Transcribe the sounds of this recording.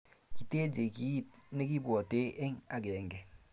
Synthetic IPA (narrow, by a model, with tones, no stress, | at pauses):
ki˨te˦d͡ʒe˨ki˦t̚ne˦ki˦bwɔ˨te˦ʔe˦ŋa˨ke˨ŋɡe˨